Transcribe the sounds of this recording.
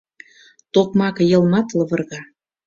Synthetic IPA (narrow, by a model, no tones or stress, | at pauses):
t̪okmɑkɤ̆jɤ̆lˠmɑt̪lɤ̆βɤ̆rɣɑ